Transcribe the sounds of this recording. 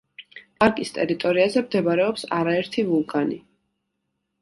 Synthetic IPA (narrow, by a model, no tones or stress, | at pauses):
pʼaɾkʼist̪ʼɛɾit̪ʼɔɾiazɛmd̪ɛbaɾɛɔpsaɾaɛɾt̪ʰivulˠkʼani